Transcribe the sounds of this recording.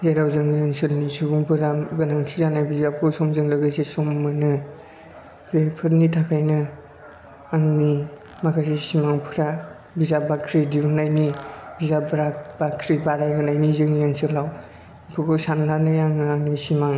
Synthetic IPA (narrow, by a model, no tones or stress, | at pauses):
zeɾawzɯŋijɯnsɯlnisubuŋpʰɯɾaɡɯnaŋtʰizanajbizap̚kʰɯsɔmzɯŋlɯɡɯsesɔmːɯnɯ | bepʰɯɾnitʰakʰajnɯ | aŋni | makʰasisimaŋpʰɯɾa | bizabakʰɾidiunajnibizabɾakbakʰɾibaɾajɡɯnajnizɯŋijansɯlaw | pʰɯkɔsannanɯjaŋɯaŋnisimaŋ